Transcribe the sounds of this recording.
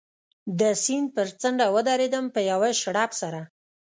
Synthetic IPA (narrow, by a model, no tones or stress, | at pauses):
d̪əsinpəɾt͡səɳɖawəd̪ɑɾed̪əmpəjawaʃɽɑpsaɾa